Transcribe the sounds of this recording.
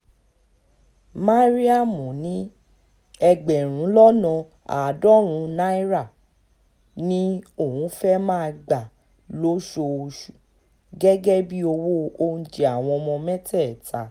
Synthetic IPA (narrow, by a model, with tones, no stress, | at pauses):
ma˦ɾi˦a˦˨mũ˨nĩ˨˦ | ɛ˧ɡ͡bɛ˨ɾ̃ũ˨˦lɔ˦nɔ̃˧ | a̰˨dɔ˦ɾ̃ũ˨˧˦na˦i˦ɾa˦˨ | nĩ˦o˦˨hũ˨˦fɛ˦mã˦˧ɡ͡ba˨ | lo˦ʃo˧o˧ʃu˨ | ɡɛ˦ɡɛ˦bi˦o˧wo˦o˧n̩˨d͡ʒe˨a˨w̃ɔ̃˧ɔ˧mɔ̃˧mɛ̃˦tɛ˦˨ta˨˦